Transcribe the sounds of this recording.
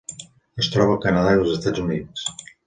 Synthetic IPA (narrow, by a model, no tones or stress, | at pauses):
əst̪ɾɔβəkənəðailˠzəst̪ad͡zunit͡ss